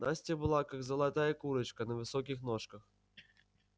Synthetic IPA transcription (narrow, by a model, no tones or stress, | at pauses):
nasʲtʲɪbɨlˠakaɡzəlˠat̪ajɐkuɾɨt͡ɕkənɐvɨsokʲɪxnoʂkəx